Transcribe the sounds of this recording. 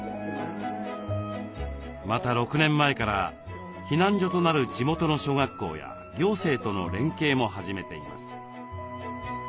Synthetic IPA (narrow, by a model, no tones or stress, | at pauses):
mat̪aɾo̞kɯ̟nẽ̞mːaekaɾa̰ | çinãɲ̟d͡ʑo̞t̪o̞naɾɯ̟d͡ʑimo̞t̪o̞no̞ɕo̞ːɡakːo̞̰ːja̰ | ɡʲo̞ːse̞ːt̪o̞no̞̰ɾẽ̞ŋke̞ːmo̞ɦaʑime̞t̪e̞ḭma̰sɨ̥